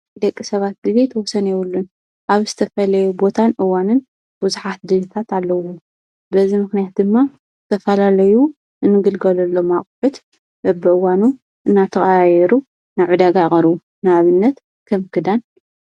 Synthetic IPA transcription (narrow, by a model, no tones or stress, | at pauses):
d̪ɐkʼːisɐβat̪̚d̪ɨlet̪ʰɐwɔsɐnjɛwulːun | ʔaβzɨt̪ʰɐfɐlɐjubo̞t̪ʰanʔɨwanɨn | b̥uzuħat̪̚d̪ɨlɨt̪ʰat̪alːɐwo | bɐzimɨxnijat̪̚d̪ɨmːa | ɨt̪ʰɐfɐlalɐju | ɨnːɨɡɨlɡɐlɐlːo̞maχʼħut̪ | bɐbːɨʔɨwanu | ʔɨnːat̪ʰɐxʼajɛɾu | naʕud̪aɡaχʼɐɾu | naaβɨnːɐt̪ | kʰɐmkʰɨd̪an